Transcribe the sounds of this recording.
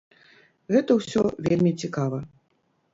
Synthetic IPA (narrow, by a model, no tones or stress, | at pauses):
ɣɛt̪ɐwsʲɔvʲelʲmʲit͡sʲikavɐ